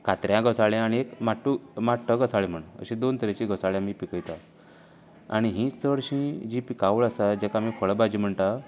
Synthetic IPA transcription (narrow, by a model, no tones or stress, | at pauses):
kat̪ɾjãɡəsaɭẽaɽ̃iekmaʈːumaʈʰːəɡəsaɭem̤əɳə̰ɕĩd̪ont̪əɾet͡ɕiɡəsaɭjãmiːpikəjt̪a | a̰ɽ̃iɦĩsəɽɕĩd͡ʑipikaʋɭasad͡ʑɛkamifəɭbad͡ʑiːm̤əɳt̪a